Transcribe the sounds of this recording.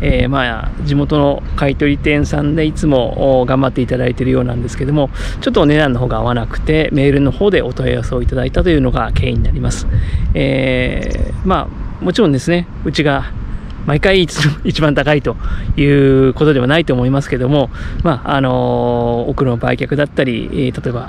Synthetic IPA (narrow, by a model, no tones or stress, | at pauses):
eːmad͡ʑimo̞t̪o̞no̞ | kait̪o̞ɾʲit̪ẽ̞ɰ̃sãnd̪e̞it͡sɨmo̞ːɡãmbat̪ːe̞it̪ad̪ait̪e̞ɾɯ̟jo̞ːnãnd̪e̞sɨ̥ke̞d̪o̞mo̞ | t͡ɕo̞t̪ːone̞d̪ãnːo̞ɦo̞ːɡaːβanakɯ̟̥t̪e̞me̞ːɾɯ̟no̞ho̞ːd̪e̞ʔo̞t̪oja̰jaseo̞it̪ad̪ait̪at̪o̞jɯ̟ːno̞ɡakʰe̞̰ːiɲ̟inaɾʲimasɨ̥eː | ma̰ːmot͡ɕiɾõnd̪e̞sɨne̞ | ɯ̟t͡ɕiɡa | maikaiːt͡sɨ̥oit͡ɕibãnt̪akait̪o̞jɯ̟ːkot̪o̞d̪e̞βanait̪o̞ːmo̞imasɨ̥ke̞d̪o̞mo̞maano̞ː | kɯ̟ɾonoba̰ikʲakɯ̟d̪at̪ːaɾʲḭt̪at̪o̞eba